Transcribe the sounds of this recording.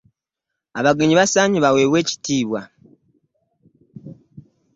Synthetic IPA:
aβaɡeɲiβasaːɲiβawe̞ːβwe̞ːci̥tiːβwa

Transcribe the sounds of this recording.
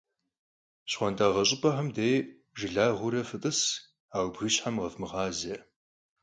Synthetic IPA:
ɕχʷɔntaːʁɐɕʼɪpʼɐħɐmdej | ʒɪɮaːʁʷʊɾɐfɨtʼɨs | aːwbɣɨɕħamʁɐfmɨʁɑːze

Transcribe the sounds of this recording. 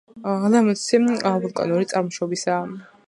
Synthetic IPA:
alamɔt̪siabɔlˠkʼa̰nɔɾit̪sʼaɾmɔʃɔbisaː

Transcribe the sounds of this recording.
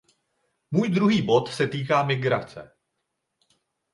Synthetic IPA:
muːjd̪ɾuɦiːbo̞t̪sɛt̪iːkaːmɪɡɾat͡sɛ̰

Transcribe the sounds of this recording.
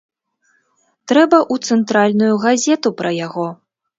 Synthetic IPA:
t̪ɾɛbɐʔut̪sɛnt̪ɾalʲnujuɣazʲɛt̪upɾɐjaɣɔ

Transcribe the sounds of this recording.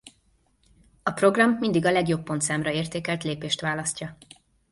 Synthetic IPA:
ɒpro̞ɡrɒmːind̪iɡɒlɛɡjo̞pːo̞nt̪saːmrɒeːrt̪eːkɛlt̪leːpeːʃt̪ʋaːlɒscɒ

